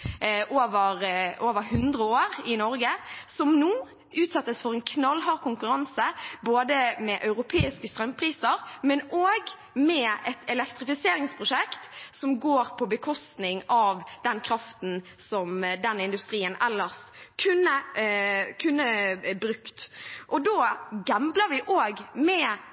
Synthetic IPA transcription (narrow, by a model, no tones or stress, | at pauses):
ʔoːʋəɾʔoːʋəɾhʉnd̪ɾəoːɾɪnɔɾɡəsɔmnuː | ʉːt̪sɛt̪ːəsfɔʁɛnkʰnɑlːɦɑːʁkʊŋkʉɾɑnsəboːd̪əmɛʔɑʉɾʊpʰeːɪskəst̪ɾœmpʰɾiːsəɾmɛnoːɡ | mɛɛt̪ʰɛlɛkt̪ɾɪfɪseːɾɪŋspʰɾʊʃɛkt̪sɔmɡoːɾpʰɔbəkʰɔst̪nɪŋɑʋd̪̥ɛnkʰɾɑft̪nsɔmd̪ɛnɪnd̪ʉst̪ɾiːənɛlːəʁs | kʰʉnːə | kʰʉnːəbɾʉkt̪ʔɔd̪oːɡɑmbləɾʋɪʔoːɡmɛ